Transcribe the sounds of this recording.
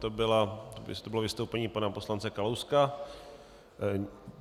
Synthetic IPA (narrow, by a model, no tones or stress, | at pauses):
t̪obɪlat̪t̪obɪlovɪst̪owpɛɲiːpanaposlant͡sɛkalowska